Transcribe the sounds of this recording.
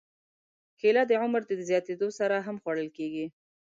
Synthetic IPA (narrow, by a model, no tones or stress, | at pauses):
kelɑd̪əʕʊmɾd̪əd̪əzjɑt̪ed̪osaɾaɦamxwaɽəlkeɡi